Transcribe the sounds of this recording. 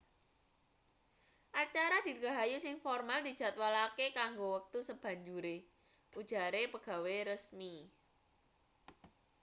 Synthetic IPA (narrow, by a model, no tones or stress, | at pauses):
ʔat͡ʃaɾad̪̥i̤ɡa̤ɦajusɪŋfɔrmald̪̥i̤d̥ʒ̥a̤t̪walakekaŋɡowək̚t̪usəb̥a̤ɲd͡ʒuɾe | ʔud̥ʒ̥a̤ɾepəɡ̥a̤weɾəsmi